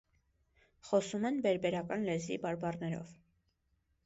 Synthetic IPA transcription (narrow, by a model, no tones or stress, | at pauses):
χɔsumɛnbɛɾbɛɾɑkɑnlɛzḭbɑɾbɑrnɛɾɔ̰v